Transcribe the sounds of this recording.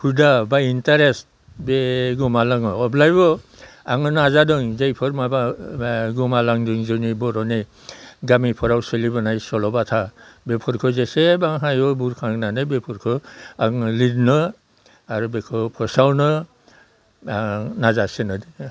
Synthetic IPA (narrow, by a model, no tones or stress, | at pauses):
pʰudabajintaɾest | beɡɔmalaŋɔɔblajbɔaŋɯnazadɯŋzejpʰɯɾmaba | ɡɔmalaŋdɯŋzɯnibɔɾɔne | ɡamipʰɔɾawselibɔnajsɔlɔbatʰabepʰɔɾkʰɯzesebaŋɦajɔbuɾkʰaŋnanɯbepʰɔɾkʰɯaŋlidnɯ | aɾubekʰɯpʰɔsawnɯ | nazasenɯdi